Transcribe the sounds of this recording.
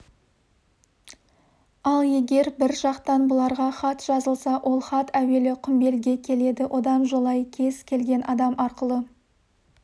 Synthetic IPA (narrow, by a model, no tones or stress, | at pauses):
ɑlˠje̞ɡʲe̞ɾbɪɾʒɑqt̪ɑnbʊlˠɑɾʁɑχɑt̪ʒ̥ɑzəlˠsɑwʔo̞lˠχɑt̪æwe̞lɪqʰʏmbe̞lɡʲe̞kʲʰe̞le̞d̪ɪwʔo̞d̪ɑnʒolˠɑjkʲʰe̞zkʲʰe̞lɡʲe̞nʔɑd̪ɑmʔɑɾqəlˠə